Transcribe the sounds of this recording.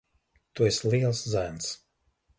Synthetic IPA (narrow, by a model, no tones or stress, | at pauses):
t̪uɛsʲliɛlˠszæns